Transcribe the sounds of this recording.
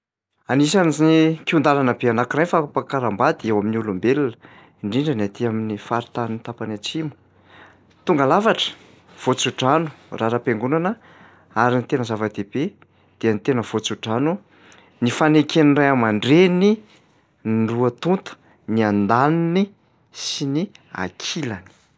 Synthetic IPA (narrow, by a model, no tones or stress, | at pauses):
anisaniznikiund̪alanəbeanakirajnfapakaɾambad̪iewaminiulumbelulə̥ | iɳɖ͡ʐiɳɖ͡ʐəniat̪iaminifaɾit̪aninit̪apanat͡simu̥ | t̪uŋɡalavaʈ͡ʂə̥ | v̥ot͡suʈ͡ʂanu̥raɾapeŋɡunanə | aɾinit̪enəzavad̪ebe | d̪̥eənit̪enəv̥ot͡suʈ͡ʂanu | nifanekenirajamaɳɖ͡ʐeni | ɳɖ͡ʐuət̪unt̪u̥ | niand̪anini | sinia̰kʰilani̥